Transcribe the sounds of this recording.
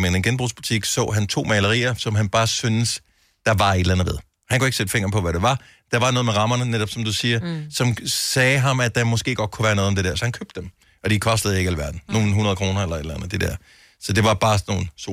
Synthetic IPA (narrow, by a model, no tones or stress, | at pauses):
menenɡ̥enb̥ʁṵːsb̥ut͡sʰiɡ̥sɔ̰̽ːɦænt͡sʰo̝̰ːmɛlɐʁḭːɐsɒ̽mɦænb̥ɑ̈ːsynəs | d̥ɑ̈ʋɑ̈e̝d̥lænð̩ˠʋe̝ðˠ | hænkʰue̝ɡ̥əsed̥əfe̝ŋ̰ɐpʰɒ̽ʋæɾeʋɑ̈ | d̥ɑ̈ʋɑ̈nɔ̽ːð̩ˠmeʁɑ̈mɐnəneɾ̥ɒ̽b̥sɒ̽md̥usiːɐsɒ̽msɛːɦɑ̈mæ̥ɑ̈mɒ̽sɡ̥e̝̰ːɡ̥ɒ̽d̥̚kʰuʋæːɐnɔ̽ːð̩ˠɒmd̥e̝d̥eɐsɒ̽hænkʰøb̥d̥em | ɒ̽d̥ikʰɒ̽sd̥ð̩ˠe̝ɡ̥ælʋæɐd̥n̩no̝ːn̩ɦunɐðˠkʰʁo̝ːnɐelɐe̝d̥lænð̩ˠd̥e̝d̥ḛɐ̰ | sɒ̽d̥e̝ʋɑ̈b̥ɑ̈ːno̝ːn̩s